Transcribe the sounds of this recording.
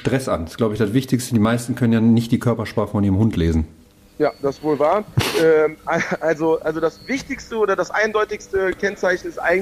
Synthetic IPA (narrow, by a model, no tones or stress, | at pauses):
ʃtʁ̥ɛsʔa̰nsɡ̥laʊbəɪçd̥asv̥ɪçtɪçstədiːmaɪstn̩kʰœnənjaːnɪçt̚d̥iːkʰœɐpɐʃpaːχəfɔniːʁəmhʊntʰleːzn̩ | jaːd̥asv̥oːlvaːɐʔɛːʔaʔalzoʔalzodasvɪçtɪçstəʔoːdɐdasʔaɪndɔʏtɪçstəkʰɛnt͡saɪçn̩ɪstʔa̰ɪŋ